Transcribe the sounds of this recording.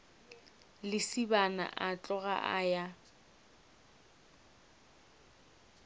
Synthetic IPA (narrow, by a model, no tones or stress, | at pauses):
lɪsibana̰ʔat͡ɬʼɔɣa̰ʔaja